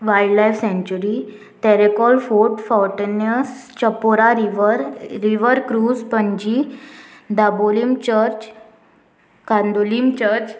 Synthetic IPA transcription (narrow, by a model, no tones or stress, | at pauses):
ʋajɖlajfsɛ̃ɲt͡ɕuɾi | t̪ɛɾekɔlfoɾʈfawʈənəst͡ɕəpoɾaɾiʋəɾɾiʋəɾkɾuːd͡zpəɲd͡ʑi | d̪abolimt͡ɕəɾt͡ɕ | kãnd̪olimt͡ɕəɾt͡ɕ